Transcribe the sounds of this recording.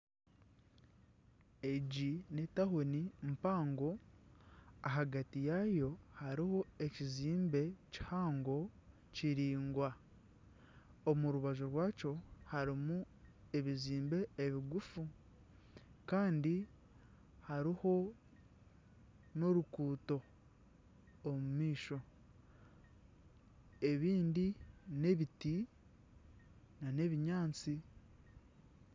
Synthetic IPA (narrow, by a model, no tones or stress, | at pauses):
eɟine̞taɦo̞nim̩paːŋɡo̞ | aɦaɡatijajo̞haɾiho̞eciziːmbe̞ci̥haːŋɡo̞ | ciɾiːŋɡwa | omuɾuβaʒoɾwaːt͡ʃo̞haɾimu | e̞βiziːmbe̞eβiɡufu | kaːndi | haɾiho̞ | no̞ɾukuːto̞ | mumiːʃo̞ | e̞βiːndine̞βiti | nane̞βiɲaːnt͡si